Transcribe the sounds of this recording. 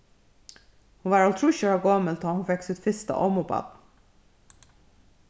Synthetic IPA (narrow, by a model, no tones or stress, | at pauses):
hʊnʋɑːɾɑlt̪ʰɾuːçøɾɑɡɔːməlt̪ʰɑːhʊnfɛksʉːt̪fɪst̪ə̰ʔɔmʊbɑ̰d̪̚